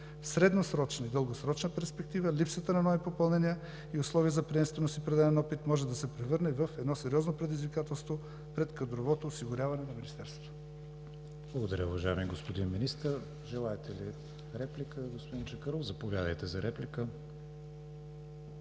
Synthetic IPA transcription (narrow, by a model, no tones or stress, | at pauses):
fsɾɛd̪nosɾɔt͡ʃnɐid̪əlˠɡosɾɔt͡ʃnəpɛɾspɛk̚t̪ivəlipsət̪ənɐnɔvipopɐlˠnɛniə | iʊslˠɔviəzɐpɾɛɛmst̪vɛnost̪ipɾɛd̪alɛnɔpit̪mɔʒɛd̪ɐsɛpɾɛvɤɾnɛvəfɛd̪nɔsɛɾiɔznopɾɛd̪izvikat̪ɛlˠst̪vo | pɾɛt̪kɐd̪ɾovɔt̪oːsiɡʊɾʲavɐnɛnɐminist̪ɛɾst̪vo̥t̪o̥ | blˠəɡod̪ɐɾʲəuvɐʒaɛmiɡospod̪inminist̪əɾ | ʒɛlˠaɛt̪ɛli | ɾɛplikəɡospod̪int͡ʃɐkəɾɔfzɐpovʲjad̪ə̰jt̪ɛzɐɾɛplikə